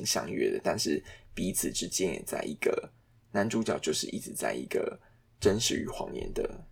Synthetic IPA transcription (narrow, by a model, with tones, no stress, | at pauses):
i˥ŋɕjɑ̰˥˧ŋɥɛ̰˥˧d̪ə˨t̪a˥˧nʂɻ̩˥˩pi˧˥t͡s̩ʰ˨˩ʈ͡ʂɻ̩˥t͡ɕjɛ˥˦njɛ̰˨˩t͡sa̰˥˩ɪi˧˥ɡ̥ə˩ | na˧˥nʈ͡ʂu˥t͡ɕjɑ˨ʊt͡ɕjo˥˧ʊʂɻ̩̰˥˩ʔḭ˥ʈ͡ʂɻ̩˨t͡sa̰˥˩ɪḭ˧˥ɡ̥ə˧˩ | ʈ͡ʂə˦nʂɻ̩˨˩y̰˨˧˥xwɑ̰˧˦ŋjɛ̰˧˦nd̪ə˨